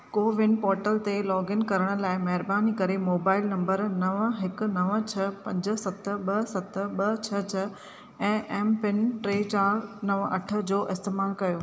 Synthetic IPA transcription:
koːʋɪ̃nɖpɔːɾʈəlt̪elɔːɡɪnkɐɾəɽ̃ə̆laːɪmɐɦɪɾbaːnikɐɾemoːbaːɪlnɐ̃mbəɾnɐʋɦɪkʊ̆nɐʋt͡ɕʰɐpɐ̃ɲd͡ʑə̆sɐt̪ə̆ɓɐsɐt̪ə̆ɓɐt͡ɕʰɐt͡ɕʰɐ | ɛ̃ːʔɛːmpɪnʈɾeːt͡ɕaːɾnɐʋɐ̰ʈʰə̆d͡ʑoːʔɪst̪eːmaːlkɐjoː

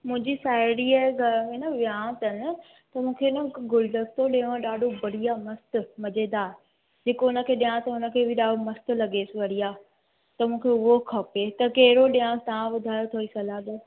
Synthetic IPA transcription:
mʊ̃ɦɪ̃ɲd͡ʑisaːɪɽiaːɦeɡʱɐɾmẽnɐʋjãːt̪ɐnɪ̆ | t̪ɐmũːkʰeɪnəɡʊlɖ̪əst̪ʰoɗẽãɗaːɖʱobɐɽ̤ijamɐst̪mɐd͡ʑẽːd̪aːɦe | d͡ʑeːkoʊnə̆kʰeːɗijãt̪ɐʊnə̆kʰeːbʱɪɗaːɖʱomɐst̪lɐɡeːsɪʋɐɾijaː | t̪ɐmũːkʰeʊɦokʰɐpet̪ɐkɐɦɪɾoɗijãːt̪ɐʋãʋʊd̪ʱaːjot̪ʰoːisɐlaːd̪ɐ

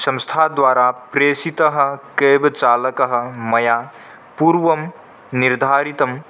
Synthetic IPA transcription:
sɐ̃mst̪ʰad̪ʋaːɾapɾeːsit̪əɦə̆keːbt͡ʃaːlɐkɐɦə̆mɐjaː | puːɾʋɐm | niɾd̪ʱaːɾit̪ɐm

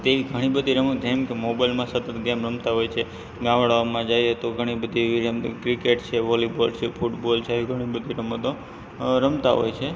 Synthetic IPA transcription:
t̪eʋiɡʱəɽ̃ibəd̪ʱiɾəməɡɛmkemobailmãsət̪ət̪ɡɛmɾəmt̪aɦojt͡ʃʰe | ɡãʋɽaomãd͡ʒajet̪oɡʱəɽ̃ibəd̪ʱiʋiɾəmkɾikeʈt͡ʃʰeʋɔlibolt͡ʃʰefʰuʈbolt͡ʃʰeeʋiɡʱəɽ̃ibəd̪ʱiɾəmət̪o | ɾəmt̪aɦo̰jt͡ʃʰe

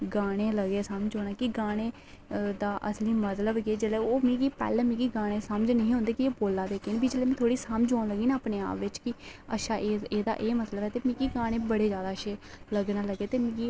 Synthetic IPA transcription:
ɡaːɽ̃eːləɡeːsəmd͡ʒoːɽ̃aːkiɡaːɽ̃eː | d̪aːʔəsliːmət̪ləbɡeːd͡ʒeleːoːmĩːɡiːpɛ̰ːlɛ̃ːmĩːɡiːɡaːɽ̃eːsəməd͡ʒnəɦĩːɦʊ̃nd̪eːkieːboːlaːd̪eːkeːnːbid͡ʒeːleːmɛ̃ːt̪ʰoːɽiːsəmd͡ʒoːnləɡiːnaːaːpneːa̰ːpʋɪt͡ʃkɪəʃaːʔeeːd̪a̰ːʔeːmət̪ləbɛːt̪eːmĩːɡiːɡaːɽ̃eːbəɽeːd͡ʒjaːd̪aːəʃeːləɡnaːləɡeːt̪eːmĩːɡiː

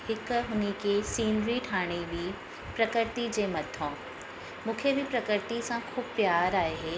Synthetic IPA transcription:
hɪkɦʊnekʰesiːnɾiʈʰaːɽ̃ibʱi | pɾɐkɪɾt̪id͡ʑeːmɐt̪ʰõː | mũːkʰebɪpɾɐkɪɾt̪isãkʰuːbpjaːɾaːeɦeː

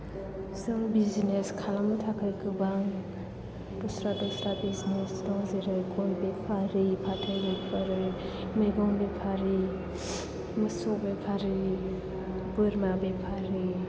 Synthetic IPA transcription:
zɯŋbizineskʰalamɯtʰakʰɯjkɯbaŋ | d̥ɔsɾadɔsɾabizinesdɔŋzeɾɯjkʰɔnbepʰaɾɯpʰatʰɯjbepʰaɾɯ | meɡɔŋbepʰaɾi | məsɔkbepʰaɾɯ | bɯɾmabepʰaɾɯ

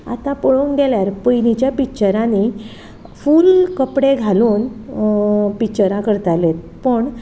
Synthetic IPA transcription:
a̰t̪apəɭuŋɡeljaɾpəjnit͡ɕjapit͡ɕəɾãni | fuːlkəpɽeɡʱaluːn | pit͡ɕəɾakəɾt̪alet̪̚ | pəɳ

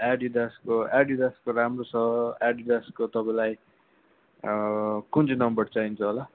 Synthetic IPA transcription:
aɖid̪askoaɖid̪askoɾamrot͡sʰʌaɖid̪askot̪ʌpãlaj | kunt͡sʰinʌmbʌɾt͡saint͡sʰʌɦola

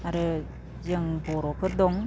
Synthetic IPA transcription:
aɾɯ | zɯŋbɔɾɔkʰɯt̚dɔŋ

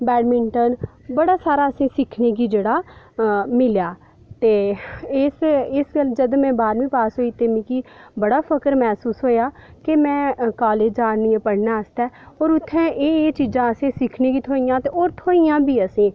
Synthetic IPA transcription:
bɛːɖmɪɳʈənbəɽaːsaːɾaːəsẽːsɪkʰneːɡiːd͡ʒeːɽaː | mɪljaː | t̪eːɪsɪsɡəld͡ʒəd̪mɛ̃ːbaːɾmĩːpaːsɦoːiːt̪eːmĩːkiːbəɽaːpʰəkəɾmɛːsuːsɦoːjaːkemɛ̃ːkaːleːd͡ʒaːniːẽːpəɽnaːəst̪ɛːɔːɾʊt̪ʰːɛ̃ːʔeːt͡ʃiːzãːəsẽːsɪkʰneːɡiːt̪ʰoːijãːt̪eːoːɾt̪ʰoːijãːbiːəsẽː

